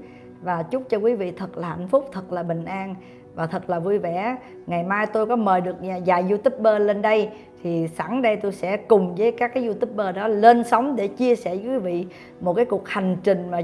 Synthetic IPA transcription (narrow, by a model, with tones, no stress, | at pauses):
vaː˨˩t͡ɕʊ˦˥k͡p̚t͡ɕɔ˧kwi˨˦vḭ˧˨t̪ʰə˨˩t̚laː˨˩ha̰˧˨jn̟fʊ˦˥k͡p̚t̪ʰə˨˩t̚laː˨˩ɓï˨˩ŋ̟ʔaː˧n | vaː˨˩t̪ʰə˨˩t̚laː˨˩vu˧jvɛ˧˩˨ | ŋa˨˩jmaː˧jt̪o˧jkɔ˨˦məː˨˩jɗɨ˨˩ək̚ɲa˨˩zaː˨˩jzu˧t̪i˦˥p̚ɓəː˧le˧nɗə˧j | t̪ʰi˨˩sa̰ː˧˩ŋɗə˧jt̪o˧jsɛ̰˧˥kʊ˨˩ŋ͡mvəː˨˦jka˦˥kːaː˨˦jzu˧t̪i˦˥p̚ɓəː˧ɗɔ˨˦le˧nsə˨˦wŋ͡mɗe˧˩t͡ɕi˧əsɛ˧˩˨kwi˨˦vḭ˧˨ | mo˨˩t̚kaː˨˦jku˨˩ək̚ha˨˩jŋ̟t͡ɕï˨˩ŋ̟maː˨˩